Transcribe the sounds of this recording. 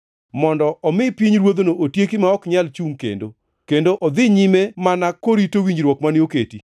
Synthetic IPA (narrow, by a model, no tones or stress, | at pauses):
mɔndɔɔmɪpiɲɾwod̪onoʔotjekɪmaɔkɲalt͡ʃuŋkḛndo | kendoʔɔd̪ɪɲimemanakːoɾitowiɲd͡ʒɾwɔkmanɪoketi